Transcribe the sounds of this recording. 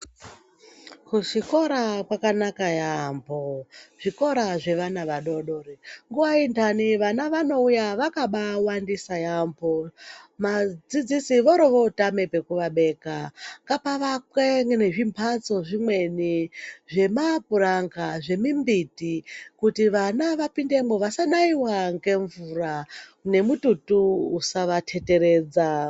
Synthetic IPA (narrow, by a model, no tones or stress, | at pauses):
kuʃiko̞ɾakwakanakajamboʐ̥iko̞ɾaʐe̞ʋanaʋaɗo̞ɗo̞ɾiŋɡuʋaindaniʋanaʋano̞ujaʋakaɓawandisajambomad͡zid͡zisiʋoɾoʋo̞tame̞pe̞kuʋaɓe̞ːkakapaʋakweŋɡne̞ʐimpʰat͡so̞ʐimwe̞niʐe̞mapuɾaŋɡaʐe̞mimbitikutiʋanaʋapinde̞moʋasanaiwaŋɡe̞ɱvurane̞mututuusaʋatʰe̞te̞ɾe̞ːd͡za